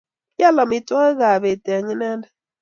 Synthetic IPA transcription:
ja˦la˨mi˨tʼwa˦ɣa˨βɛ˨ta˨ɲi˦na˦nda˦

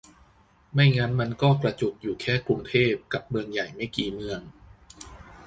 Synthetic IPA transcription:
ma˥˩jŋa˦˥nma˧nkɔː˥˩pɾa˧t͡ɕo˨˩p̚juː˨˩kʰɛː˥˩kɾu˧ŋt̪ʰeː˥˩p̚ka˨˩p̚mɯ˧əŋja˨˩jma˥˩jkiː˨˩mɯ˧əŋ

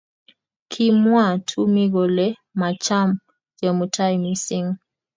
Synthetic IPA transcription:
kʰi˦˨mwa˦˨tʰu˦mi˦ɣ̬ɔ˨lɛ˦ | ma˨t͡ʃʰa˦m | d͡ʒɛ˨mu˨tʰa˦i˨mi˦si˦ŋ˨

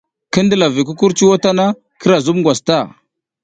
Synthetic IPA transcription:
kə˦ndə˦la˨vi˨k̬u˦ku˦ɾt͡ʃi˦wo˦ta˦na˦ | kə˦ɾa˨zu˦mŋɡwa˨sta˦˨

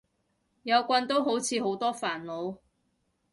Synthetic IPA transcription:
jɐ˨˧wkʷɐ˧nt̪o˥wɦo˨˥wt͡sʰiː˨˧ɦo˨˥wt̪ɔː˥faː˨˩nlo˨˧w

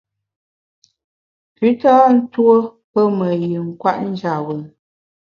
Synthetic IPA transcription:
pi˨˦ta˦n̩˦two˦ | pə˦mə˨ji˨ŋ̩˨kwa˦ʔn̩˦d͡ʒa˨wə˨

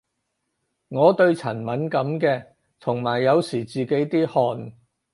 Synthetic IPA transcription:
ŋɔː˨˧t̪ɵ˧ɥt͡sʰɐ˨˩nmɐ˨˥nkɐ˨˧˥mkɛː˧ | t̪ʰʊ˨˩ŋmaː˨˩jːɐ˨˧wsiː˨˩t͡siː˨ke˨˥jt̪iː˥hɔː˧n

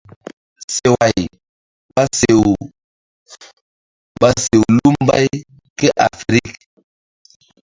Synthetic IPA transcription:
se˨wa˨j | ɓa˦se˨w | ba˨se˨wlu˦m˦ba̰˦j | ke˦ʔa˨fɾi˦k̚

